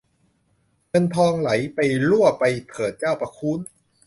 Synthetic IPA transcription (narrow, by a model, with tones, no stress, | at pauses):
ŋɤ˧nt̪ʰɔː˧ŋla˩˦jpa˧jlu˥˩ɐpa˧jpʰɤː˨˩t̪̚t͡ɕaː˥˩wpa˧kʰuː˦˥n